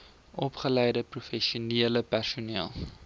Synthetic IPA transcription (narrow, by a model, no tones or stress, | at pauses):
ʔɔpχəlɛjdəprufɛʃuniələpærsuniəlˠ